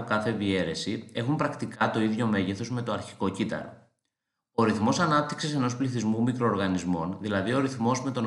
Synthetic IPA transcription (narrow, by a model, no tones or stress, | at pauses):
okɐθe̞vie̞ɾe̞sie̞xumpɾɐkt̪ikɐt̪o̞iðʝo̞me̞ʝeθo̞zme̞t̪oɐɾçi̥ko̞cit̪ɐ̰ɾo̰ | oɾiθmo̞sɐnɐp̚t̪i̥ksise̞no̞spliθizmumikɾo̞ːɾɣɐnizmo̞nðilɐðioɾiθmo̞zme̞t̪o̞n